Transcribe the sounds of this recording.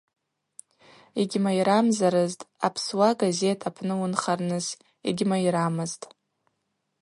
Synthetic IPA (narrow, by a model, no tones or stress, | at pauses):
eɡʲmajɾamzaɾɨztʼapʰswaɡaze̞tʰapʰnɨwʊnχarnɨz | ḛɡʲmaiɾamɨztʼ